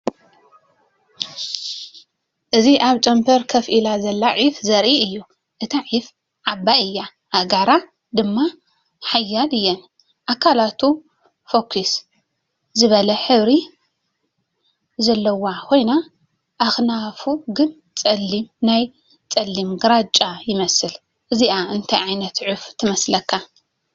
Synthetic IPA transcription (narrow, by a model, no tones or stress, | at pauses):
ʔɨziʔaβt͡ʃʼɐmpʰɐɾkʰɐfʔilazɐlːaʕifzɐɾʔiɨjːu | ʔɨt̪ʰaʕif | ʕabaɨjːa | ʔaɡaɾa | d̪ɨmːa | ħajːalɨjːɛn | ʔakʰalat̪ʰu | fokʰːis | zɨβɐlɐħɨβɾi | zɐlːɐwakʰo̞jna | ʔaxnafuɡɨn | t͡sʼɐlːimnaj | t͡sʼɐlːimɡɨɾat͡ʃʼːajɪmɐsɨl | ʔɨziaɨnt̪ʰajʕajnɐt̪ʕɨft̪ʰːɨmɐslɐkʰːa